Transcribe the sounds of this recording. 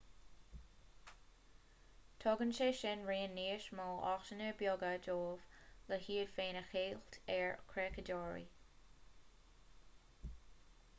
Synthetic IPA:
t̪ʰɔɡənʃeːʃɪnɹeːənːeːʃmɔːʔɔ̰xʃənɛɹbjɔɡədoːv̥ləhiːəd̥feːnəxeːltʰɛɹkʰɹɛkədɔːɹḭ

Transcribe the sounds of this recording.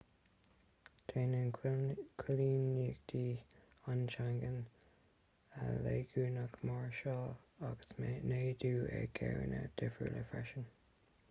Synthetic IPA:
t̪ʰeːnənkʰwɪliːniɡd̪̥iː | ant͡ʃaŋɡən | əleːɡuːnakmaɹʃɑːaɡ̥ə̥smneːd̪uːə̰ɡ̥ɛ̰ːɹə̰nəd̥̪ɪfə̰lʔə̰fɹɛʃən

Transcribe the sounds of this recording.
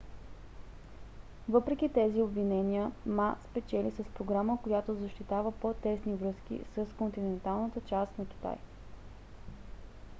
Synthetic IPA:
vɤpɾɛkʲit̪ɛziobvinɛniəmaspɛt͡ʃɛlisəspɾoɡɾaməkojat̪ozɐʃt̪it̪avəpot̪ɛsnivɾɤskʲḭsəskont̪inɛnt̪alˠnət̪ət͡ʃast̪nɐkʲi̥t̪a̰j

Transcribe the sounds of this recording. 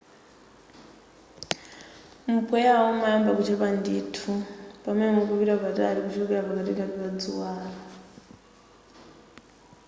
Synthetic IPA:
mupʰʼwɛjawɔmajambakut͡ʃʰɛpandiːtʰupamɛnɛmɔkuβiɾapatʼa̰ɾikut͡ʃʰɔkɛɾapakatikapiβad͡zuwaːɾa

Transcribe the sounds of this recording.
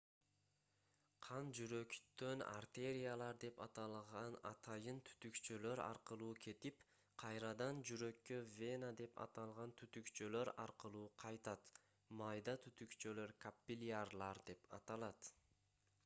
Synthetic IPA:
qʰɑnd͡ʒyɾø̞kt̪ːø̞na̰rt̪e̞ɾʲijalˠɑɾd̪e̞pɑt̪ɑlˠʁɑnɑ̰t̪ʰɑjɯnt̪ʰy̥t̪ykt͡ʃøløɾɑ̰ɾqɯlˠuːkʰe̞t̪ip | qʰɑjɾɑd̪ɑnd͡ʒyɾø̞kːø̞vʲe̞nad̪e̞pʰɑ̰t̪ɑlˠʁɑnt̪ʰyt̪ykt͡ʃøløɾɑɾqɯlˠuːqʰɑjt̪ɑt̪ | mɑjd̪ɑt̪ʰyt̪ykt͡ʃølø̞ɾkapʲːilʲarlˠɑɾd̪e̞pɑt̪ɑlˠɑt̪

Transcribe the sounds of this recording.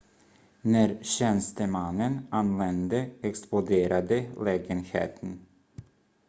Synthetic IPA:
næɾɕɛnst̪əmanːənanːvɛnd̪əɛksplʊd̪eːɾad̪əlɛːɡənhḛːt̪ʰən

